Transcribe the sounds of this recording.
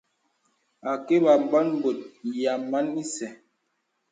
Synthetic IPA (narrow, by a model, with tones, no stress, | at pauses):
a˨ke˦ba˨m̩˨ba˦nm˦bo˨t̚ja˨mːa˦ni˦sɛ˨